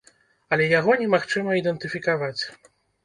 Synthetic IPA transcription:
ɐlʲɛjaɣɔnʲɛmaxt͡ʂɨmɐid̪ɛnt̪ɨfʲikavat͡sʲ

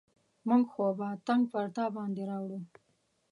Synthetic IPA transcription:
mʊŋɡxobat̪aŋɡpaɾt̪ɑbɑnd̪eɾɑwɽu

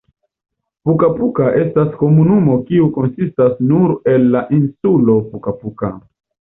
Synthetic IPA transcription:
pukapukaʔe̞stasko̞munumo̞kiuko̞nsistasnuɾe̞lːaʔinsulo̞pukapuka̰

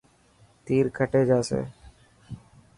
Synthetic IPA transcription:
t̪iːɾkʰəʈeːd͡ʒaːsḛː

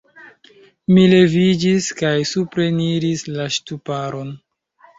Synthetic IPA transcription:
mile̞vid͡ʒiskajsupɾe̞niɾislaʃtupaɾo̞n

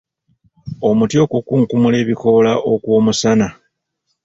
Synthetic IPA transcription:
o̞mutjo̞kukuːŋkumule̞ːβiko̞laʔo̞kwo̞ːmusana

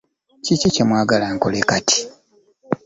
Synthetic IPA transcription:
cicicemwaːɡalaːŋkolekati̥

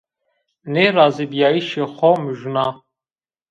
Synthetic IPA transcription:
neɾazibjaiʃɛχɔmɨʒna

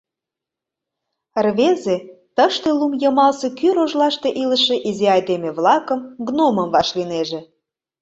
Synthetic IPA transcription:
rβezet̪əʃt̪elumjəmɑlsekyɾoʒlɑʃt̪eʔiləʃeʔizeɑjd̪emeβlɑkə̆mɡnoməmvɑʃlineʒe

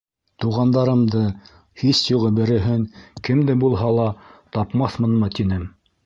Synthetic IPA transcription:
t̪uʁɑnd̪ɑɾɤ̆md̪ɤ | hisjuʁɤbɘ̆ɾɘ̆ɦɘŋkɘ̆md̪ɘbulˠɦɑlˠɑt̪ɑpmɑθmɤ̆nmɤt̪inɘm

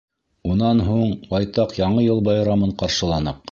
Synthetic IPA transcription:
unɑnɦuɴbɑjt̪ɑqjɑɴɤjɤlˠbɑjɾɑmɤɴqɑɾʃɤ̆lˠɑnɤq̚

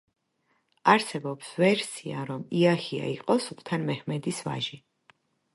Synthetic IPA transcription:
aɾsɛbɔpsvɛɾsia̰ɾɔmiahia̰iqʼɔsupʰt̪ʰanmɛhmɛd̪isva̰ʒi

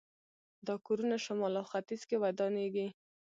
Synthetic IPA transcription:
d̪ɑkoɾunaʃʊmɑlawxat̪iz̥kewajd̪ɑneɡi

